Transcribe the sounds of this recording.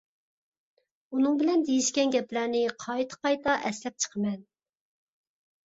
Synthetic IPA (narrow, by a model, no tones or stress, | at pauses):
unɨŋbɪlɛnd̪ejiʃkʲɛnɡʲɛplæɾnɪqʰɑjt̪ʰə̥qɑjt̪ɑʔɛslɛp̚t͡ʃʰə̥qʰəmɛn